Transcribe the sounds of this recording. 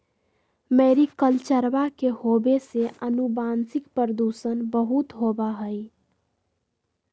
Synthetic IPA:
meɾikəlt͡ʃəɾbakehobeseʔənubansikpəɾəd̪usənbəɦut̪ɦobaɦəj

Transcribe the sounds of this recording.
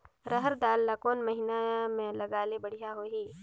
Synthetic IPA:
ɾəɦəɾd̪aːlːakoːnmɐɦinamẽlɐɡaːlebɐɽ̤ijaɦoːɦiː

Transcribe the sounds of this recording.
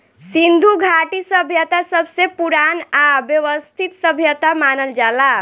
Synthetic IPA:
sind̪ʱuɡʱaʈisəbʱjət̪asəbʱsepuɾanabjəʋəst̪ʰit̪səbʱjət̪amanəld͡ʒala

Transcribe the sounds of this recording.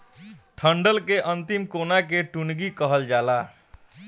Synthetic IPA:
ʈʰəɳɖəlkeʔənt̪imkonakeʈunɡikəɦəld͡ʒala

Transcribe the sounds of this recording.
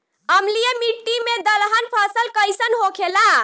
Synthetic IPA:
əmlijemiʈːimed̪əlɦənpʰasəlkəjsənɦokʰela

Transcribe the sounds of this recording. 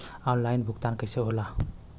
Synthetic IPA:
ɔnlajnbʱukt̪ankəjseɦola

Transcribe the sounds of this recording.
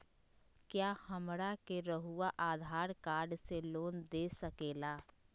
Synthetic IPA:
kjaːhəmɽakeɾəɦuwaʔaːd̪ʱaːɾkaːɾɖseloːnd̪eːsəkeːlaː

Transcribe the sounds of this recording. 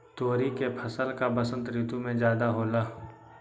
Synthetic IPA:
t̪oːɾikepʰəsəlkabəsə̃nt̪ɾɪt̪umẽd͡ʒjaːd̪aɦoːlaː

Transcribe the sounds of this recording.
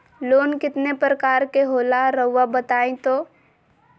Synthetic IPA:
loːnkɪt̪nepɾəkaːɾkeɦoːlaɾɐɦʊwabət̪aːẽt̪oː

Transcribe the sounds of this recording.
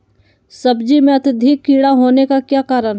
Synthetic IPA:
sɐbd͡ʒimẽɐt̪ɪd̪ʱɪkːiːɽaɦoːnekakjaːkaːɾəɽɦ

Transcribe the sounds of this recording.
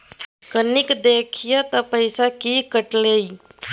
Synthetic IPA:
kənikd̪eːkʰijət̪əpəjsakikəʈlei

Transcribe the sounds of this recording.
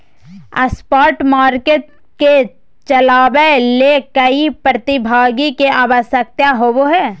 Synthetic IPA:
ɐ̰spaːɾʈmaːɾkeʈ | ke | t͡ʃɐlaːbelekəipɾət̪ɪbʱaːɡikeaːʋəsjək̚t̪jaɦoboɦɛː

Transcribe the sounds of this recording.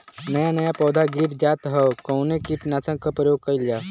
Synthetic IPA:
nɐjanɐjapɔːd̪ʱaɡiːɾd͡ʒaːt̪ɦɛkɔʊnekiʈnaːt͡ʃə̃kapɾəjoːɡ̚kɐild͡ʒaː

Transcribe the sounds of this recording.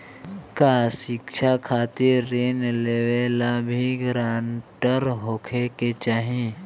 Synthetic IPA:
kasɪkʃʰakʰaːt̪iːeːnleʋeːlabʱiɡɾaːɳʈəɾɦoːkʰeket͡ʃaːɦẽ

